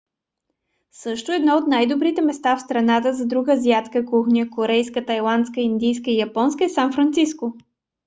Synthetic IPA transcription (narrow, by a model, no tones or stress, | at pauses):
sɤʃt̪ʊɛd̪nɔot̪najd̪obɾit̪ɛmɛst̪afst̪ɾɐnat̪əzɐd̪ɾuɡəzjat̪kəkuxnʲəkoɾɛjskət̪ɐjlˠant̪skəind̪ijskəijɐpɔnskəɛsanfɾɐnt̪sisko